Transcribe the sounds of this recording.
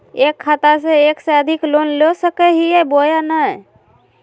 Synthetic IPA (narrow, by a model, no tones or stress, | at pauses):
ekʰːat̪as̬eekseəd̪ʱiklonlosəkɛɦiebojanə